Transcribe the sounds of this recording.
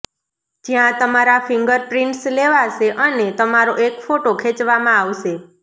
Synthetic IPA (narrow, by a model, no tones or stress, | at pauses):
d͡ʒjãt̪əmaɾafɪ̃ŋɡəɾpɾɪɳʈsleʋaʃeʔənet̪əmaɾoʔekfoʈokʰet͡ʃʋamãaʋʃe